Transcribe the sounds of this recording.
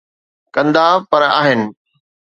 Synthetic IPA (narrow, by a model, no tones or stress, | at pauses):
kɐ̃nd̪apɐɾa̰ːɦɪnɪ̆